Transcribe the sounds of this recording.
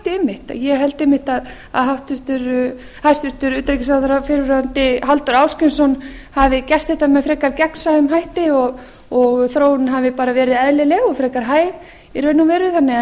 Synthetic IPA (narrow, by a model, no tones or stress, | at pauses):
t̪ɪmːɪht̪a̰jɛɦɛlt̪ɪmɪht̪að | a̰ðɦaht̪ɪɾ̥t̪ʏɾ | hast̪vɪɾ̥t̪ʏɾʏːt̪ɾejcɪsaθʏɾafɪɾʏɾʏant̪ɪɦalt̪ʏɾaːwscɪnsɔnhavɪcɛr̥t̪θɛht̪amɛðfɾɛːkaɾcɛkn̥saʏmɦajht̪ɪɔɣ | ɔɣθɾoːwɪnɦavɪpaːɾavɛːɾɪðɛðlɪlɛːɣɔfɾɛːkaɾɦaːjɣ | iɾœɥnːʏmvɛːɾʏɪθanːɪɛ